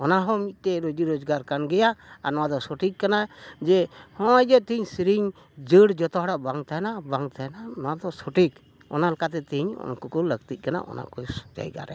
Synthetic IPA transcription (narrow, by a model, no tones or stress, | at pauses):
ɔnaɦɔ̃mit̪̚ˀt̪ɛɾod͡ʒiɾod͡ʒɡaɾkanɡɛjaa̰nɔwad̪ɔsɔʈikːanad͡ʒɛhɔ̃jd̪ɔt̪iɲsiɾiɲ | d͡ʒəɽd͡ʒɔt̪ɔɦɔɽaʔbaŋt̪aɛnabaŋt̪ʰaɛnanɔwad̪ɔsoʈik | ɔ̰nalɔkat̪ɛt̪iɲɔ̰nkɔkɔləɡt̪ic̪̚kana̰ʔɔ̰na̰kɔsɔ̥d͡ʒa̰jɡa̰ɾɛ̰